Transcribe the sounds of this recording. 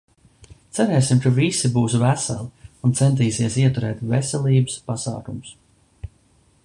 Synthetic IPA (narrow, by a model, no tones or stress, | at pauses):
t̪sæɾɛːsimkavisibuːs̬væsa̰lˠiunt̪sɛnt̪̬iːsiɛsiɛt̪uɾɛːt̪vɛsɛlˠiːbɨspasa̰ːkumʊs